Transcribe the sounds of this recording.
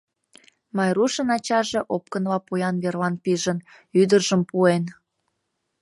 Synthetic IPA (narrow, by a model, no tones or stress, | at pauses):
mɑjruʃənɑt͡ɕɑʒeʔop̚kənβɑpujɑnβerlɑnpiʒən | yd̪ərʒəmpuen